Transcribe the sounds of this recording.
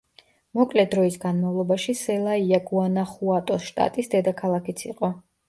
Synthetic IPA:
mɔkʼlɛd̪ɾɔisɡanmavlˠɔbaʃisɛlˠaiaɡuanaχuat̪ʼɔsʃt̪ʼa̰t̪ʼisd̪ɛd̪akʰalˠakit̪sʰiqʼɔ

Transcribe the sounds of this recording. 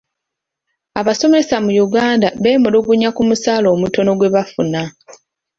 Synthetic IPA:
aβaso̞me̞samujuɡaːndaβe̞ːmuloːɡuɲakumusaːlo̞ːmuto̞no̞ɡwe̞βafuna

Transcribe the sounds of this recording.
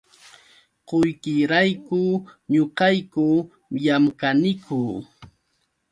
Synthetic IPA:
qojkɪɾajkʊɲoqɑjkʊ | jamkanɪkʊ

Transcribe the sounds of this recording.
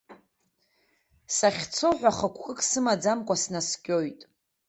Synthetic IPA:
saχʲt͡sʰo̞ħʷᶣaχəkʷʰkʼɨkʼsɨmad͡zamkʷʼasnaskʲʼo̞jtʼ

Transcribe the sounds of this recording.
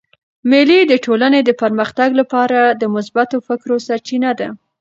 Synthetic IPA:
mɪlid̪əʈʰolaned̪əpəɾməxt̪aɡlapɑɾad̪əmʊsbat̪ofɪkɾosaɾt͡ʃinad̪a

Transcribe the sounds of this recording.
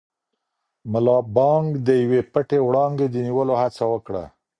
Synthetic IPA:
məlɑbɑŋɡd̪əjwepəʈewɽɑŋɡed̪əniwəlohat͡sawəkɽa̰

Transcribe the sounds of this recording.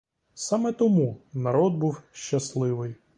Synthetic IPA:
sɑmɛt̪ɔmunɐɾɔd̪̚buwʃt͡ʃɐslˠɪʋɪj

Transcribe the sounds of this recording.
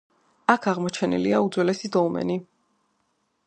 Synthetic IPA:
akʰaʁmɔt͡ʃʰɛnḭliaud̪zwɛlɛsid̪ɔlˠmɛ̰ni

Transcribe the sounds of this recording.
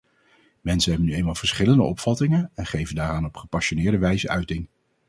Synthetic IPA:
mɛnsənɦɛbənyejmaːlˠv̥əɹsχɪləndə̰ʔɔpfɑtɪŋəɛnχejvəndaːɾaːnɔpχəpɑʃonɪːɹdəʋɛjzəʔœɥtɪŋ

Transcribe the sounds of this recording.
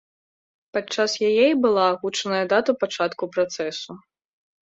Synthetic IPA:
pat͡ʂːasjajɛjbɨlˠaːɣut͡ʂɐnɐjɐd̪at̪ɐpat͡ʂat̪kupɾat̪sɛsu

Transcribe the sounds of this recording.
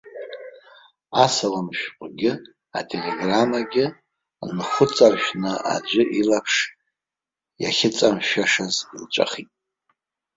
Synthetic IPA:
asalamʃᶣqʷʼɡʲɪ | a̰tʼeleɡramaɡʲɪ | nχʷʊt͡sʼarʃᶣnɨa̰d͡ʒʷʏʔilapʰʂ | ja̰χʲɪt͡sʼamʃaʂazilt͡ʃʷʼa̰χitʼ

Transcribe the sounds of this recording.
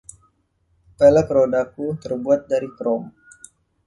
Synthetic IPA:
pɛləkrodakut̪ərbuat̪̚daɾikɾɔm

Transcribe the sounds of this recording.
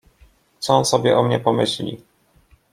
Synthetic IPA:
t̪sɔɔnsɔbʲjɛ̰ʔɔmɲɛpɔmɘɕlʲḭ

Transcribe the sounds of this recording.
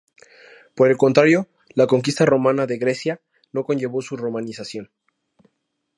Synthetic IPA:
po̞ɾe̞lko̞nt̪ɾaɾjo̞ | lako̞ŋk̬ist̪aro̞mãnaðe̞ɣɾe̞sja | no̞ko̞nʝe̞βo̞suro̞mãnisasjo̞n

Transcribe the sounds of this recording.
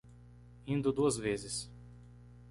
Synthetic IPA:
ĩnd̪ʊd̪uɐzvezɪs

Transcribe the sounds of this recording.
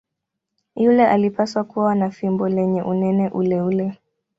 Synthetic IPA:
julɛʔalipaswakuwanafimbɔlɛɲɛʔunɛnɛʔulɛulɛ

